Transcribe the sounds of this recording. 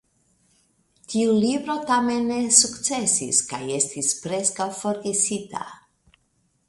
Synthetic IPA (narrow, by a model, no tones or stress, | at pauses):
t̪ʰiulibɾo̞tamenːesuktt͡se̞sḭskaje̞stispɾe̞skawfo̞ɾɡesita̰